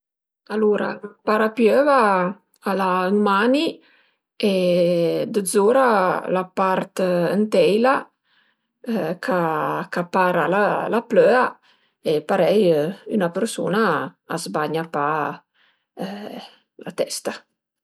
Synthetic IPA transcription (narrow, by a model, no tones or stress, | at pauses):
aluːɾa̰paɾapjøva | alaəŋmani | e | d̪əd̪zoːɾalapaɾt̪ənt̪ɛjla | kʰakapaːɾalalapløːa | epaɾɛjynapəɾsṵːna̰ːzbaɲapa | lat̪ɛst̪a